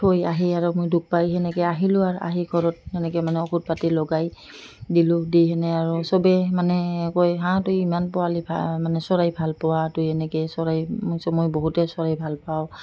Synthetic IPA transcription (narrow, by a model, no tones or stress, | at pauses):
ojaɦiaɹumojduk̚pajɦɛnɛkɛaɦilʊaɹʔa̰ɦiɡʰʱɔɹɔt̚ɛnɛkɛmanɛɔkʰut̚patilɔɡaj | dilʊdijɦɛnɛaɹusɔbɛmanɛkojɦãtujimanpɔalibʱa̰manɛsɔɹajbʱalpɔwatujɛnɛkɛsɔɹajsɔmɔjboɦutɛsɔɹajbʱalpaʊ